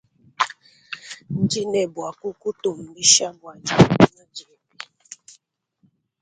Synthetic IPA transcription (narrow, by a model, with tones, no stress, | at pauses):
n̩˦d͡ʒi˦nɛ˨bwa˨ku˦ku˦to˨m̩˨bi˦ʃa˦bwa˨d͡ʒa˨˦i˦ɲa˦d͡ʒɛ˨bi˨